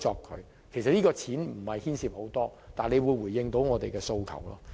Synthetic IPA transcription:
ɔː˧kʰːɵ̰˨˧ɥ | kʰe˨˩js̬ɐ˨t̚liː˥kɔː˧t͡sʰiː˨˥nm̩˨˩hɐ˨jhiː˥nsiː˧p̚ho˨˥wt̪ɔː˥t̪aː˨nle˨˧jwuː˨˧jwu˨˩jːɪ˧ŋt̪o˨˥wŋɔː˨˧t̪e˨jkɛː˧so˧wkʰɐ̰˨˩wlɔ̰ː˥

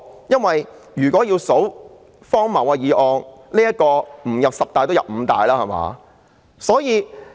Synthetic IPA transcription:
jɐ˥nwɐ˨jjyː˨˩kɔː˨˥jiː˧wso˨˥w | fɔː˥ŋmɐ˨˩waː˧jiː˨ʔɔː˨˧ŋliː˥ɐ˥t̚kɔː˧m̩˨˩jɐ˨p̚sɐ˨p̚t̪aː˨˧j̪o˥wjɐ̰˨p̚m̩ː˨˧t̪a̰ː˨jlaː˦˥hɐ˨˩ma̰ː˨˧ | sɔː˨˥jiː˨˧

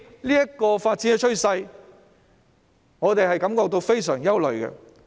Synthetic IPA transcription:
liː˥jɐ˥kɔː˧faː˧t̚t͡siː˨˥nɛ˧t͡ʃʰɵ˥ɥsɐ˧j | ŋɔː˨˧t̪e˨jɦɐ˨jkɐ˨˥mkɔː˧k̚t̪o˧wfe˥jsœː˨˩ŋjɐ˥wlɵ˨ɥkɛ̰˧

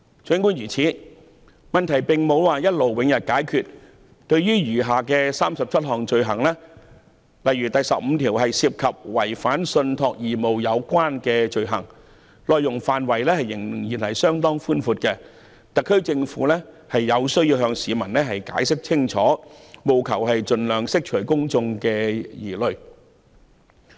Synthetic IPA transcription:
t͡ʃʰɵ˨˧˥ŋkuː˥njyː˨˩t͡sʰiː˨˥ | mɐ˨nt̪ʰɐ˨˩jpɪ˨ŋmo˨˧˥wwaː˨jɐ˥t̚lo˨wwɪ˨˧ŋjɐ˨t̚kaː˨˥jkʰyː˨˩t̚ | t̪ɵ˧ɥɥyː˥jyː˨˩ɦaː˨kɛː˧saː˥msɐ˨p̚t͡sʰɐ˥t̚ɦɔː˨˩ŋt͡ʃɵ˧ɥɦɐ˨˩ŋlɛː˥ | lɐ˨jɥyː˨˩t̪ɐ˨jsɐ˨p̚m̩˨˧t̪ʰiː˨˩wɦɐ˨jsiː˧p̚kʰɐ˨p̚wɐ˨˩jfaː˨˥nsɵ˧nt̪ʰɔː˧k̚jiː˨˩mo˨wjɐ˨˧wkʷaː˥nkɛː˧t͡ʃɵ˧ɥɦɐ˨˩ŋ | lɔː˨˧jːʊ˨˩ŋfaː˨nwɐ˨˩jlɛː˥hɐ˨jːɪ˨˩ŋjiː˨˩nhɐ˨jsœː˥ŋt̪ɔː˥ŋfuː˥nfuː˧t̚kɛ˧ | t̪ɐ˨kʰːɵ˥t͡sɪ˧ŋfṵː˨˧˥lɛ˥ | hɐ˨jːɐ˨˧wsɵ˥ɥji˧wɦœː˧ŋsiː˨˧mɐ˨˩nlɛː˥ɦɐ˨jka̰ː˨˥jsɪ˥k̚t͡sʰɪ˥ŋt͡ʃʰɔː˨˥mo˨˧wkʰɐ˨˩wɦɐ˨jt͡sɵ˨nlœː˨˩ŋsɪ˥k̚t͡ʃʰɵ˨˩ɥkʊ˥ŋt͡sʊ˧ŋkɛː˧jiː˨˩lɵ˨ɥ

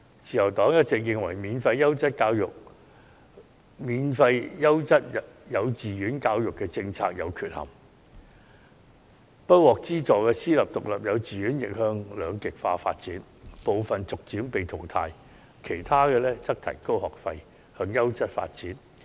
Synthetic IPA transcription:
t͡siː˨jɐ˨˩wt̪ɔː˨˥ŋjɐ˥t̚t͡sɪ˨k̬̚jɪ˨ŋwɐ˨˩jmiː˨˧nfɐ˧jːɐ˥wt͡sɐ˥t̚kaː˧wjʊ˨k̚ | miː˨˧nfɐ˧jjɐ˥wt͡sɐ˥t̚jɐ˨˧wt͡siː˨jyː˨˥nkaː˧wjʊ˨kːɛː˧t͡sɪ˧ŋt͡sʰaː˧k̚jɐ˨˧wkʰyː˨t̚hɐ̰˨˩m | pɐ˥t̚wɔː˨k̚t͡siː˥t͡sɔː˨kɛː˧siː˥lɐ˨p̚t̪ʊ˨k̚lɐ˨p̚jɐ˨˧wt͡siː˨ɥyː˨˥njɪ˨k̚hœː˧ŋlœː˨˧ŋkɪ˨k̚fa̰ː˧fa̰ː˧t̚t͡siː˨˥n | po˨wfɐ˨nt͡sʊ˨k̚t͡siː˨˥mpe˨jt̪ʰʊ˨˩wt̪ʰaː˧j | kʰe˨˩jt̪ʰaː˥kɛː˧lɛː˥t͡sɐ˥k̚t̪ʰɐ̰˨˩jko˥whɔː˨˩k̚fɐ˧j | hœː˧ŋjɐ˥wt͡sɐ˥t̚fa̰ː˧t̚t͡siː˨˥n

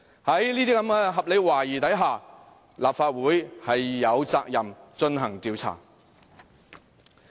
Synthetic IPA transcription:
hɐ˨˥jliː˥t̪iː˥kɐ˨˥mɡɛː˧ɦɐ˨p̚le˨˧jwaː˨˩jiː˨˩t̪ɐ˨˥jɦaː˨˩ | laː˨p̚faː˧t̚wuː˨˥jhɐ˨jːɐ˨˧wt͡saː˧k̚jɐ˨mt͡ʃɵ˧nɦɐ˨˩ŋt̪iː˨˧wt͡sʰa̰ː˨˩

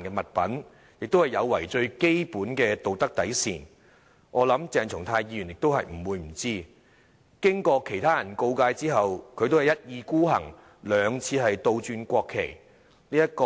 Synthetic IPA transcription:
nkɛː˧mɐ˨t̚pɐ˨˥n | jɪ˨k̚t̪o˥whɐ˨jɐ˨˧wːɐ˨˩jt͡ʃɵ˧ɥke˥jpuː˨˥nkɛː˧t̪o˨wt̪ɐ˥k̚t̪ɐ˨˥jsiː˨n | ŋʔɔː˨˧lɐ˨˥mt͡sɛː˨ŋt͡sʰʊ˨˩ŋt̪ʰaː˧jiː˧jy˨˩njɪ˨k̚t̪o˥whɐ˨jm̩˨˩wuː˨˧jm̩˨˩t͡siː˥ | kɪ˥ŋkɔː˧kʰe˨˩jt̪ʰaː˥jɐ˨˩nko˧wkaː˧jt͡siː˥ɦɐ˨wkʰɵ˨˧ɥt̪o˥whɐ˨˩jɐ˥t̚jiː˧kuː˥ɦɐ̰˨˩ŋ | lœː˨˧ŋt͡sʰiː˧ɦɐ˨jt̪o˧wt͡ʃyː˧nkʷɔː˧kʰːe˨˩j | liː˥jɐ˥t̚kɔː˧

